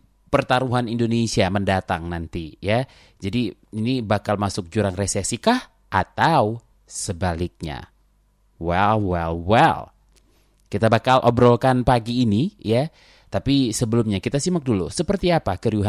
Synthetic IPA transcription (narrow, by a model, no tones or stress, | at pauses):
pərt̪aɾuɦanindonesiaməndat̪aŋnant̪ija | d͡ʒadiinibakalmasʊk̚d͡ʒuɾaŋresesikah | ʔat̪au | səbalɪk̚ɲa̰ | wɛlwɛlwɛ̰l | kit̪abakalʔobɾolkanpaɡiːnija | t̪apisəbəlʊmɲakit̪asimək̚dulṵsəpərt̪iapakəɾiuɦa